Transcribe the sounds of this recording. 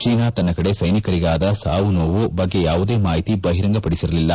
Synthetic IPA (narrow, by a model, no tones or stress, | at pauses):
t͡ʃiːnaːt̪ɐnːɐkɐɽe̞sɐjnikɐɾiɡaːd̪ɐsaːʋunoːʋubɐɡːe̞jaːʋud̪e̞ːmaːɦit̪ibɐɦiɾɐŋɡɐpɐɽisiɾɐlilːɐ